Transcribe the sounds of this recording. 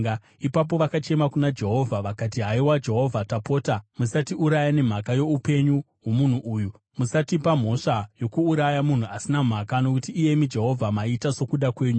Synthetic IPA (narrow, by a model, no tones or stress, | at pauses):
ipap̬o̞ʋakat͡ʃe̞makunad͡ʒe̞ɦo̞vʱaʋakat̬iɦaiwad͡ʒe̞ɦo̞vʱatapo̞ːtamusatiuɾajane̞m̤akajo̞upe̞ɲu | ɦomun̤uʔuːju | musatipam̤o̞ʂajokuːɾajamun̤uasinam̤akano̞kutiːje̞mid͡ʒe̞ɦo̞vʱamaitaso̞kuɗakwe̞ːɲu